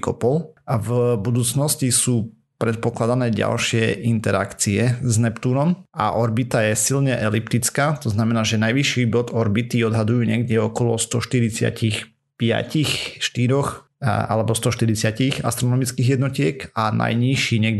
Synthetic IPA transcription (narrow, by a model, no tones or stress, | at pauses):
kɔ̰pɔlvbud̪uːt͡snɔscisuː | pɾɛt̪̚pɔklad̪anɛːɟa̰lʃɪɛʔint̪ɛɾa̰kt͡siɛznɛpt̪unɔm | a̰ʔɔɾbit̪ajɛsilɲɛʔɛlipt̪it͡skaːt̪ɔznamɛnaːʒɛnajʋiʃibɔd̪ɔɾbit̪iɔd̪ɦad̪ujuːɲɛɡɟɛɔkɔlɔst̪ɔʃt̪iɾit͡sɪa̰cix | pɪa̰cixʃt̪iɾɔx | a̰lɛbɔst̪ɔʃt̪iɾit͡sɪacixa̰st̪ɾɔnɔmit͡skiːɣjɛd̪nɔcɪɛkanʔa̰jɲiʃiːɲɛɡ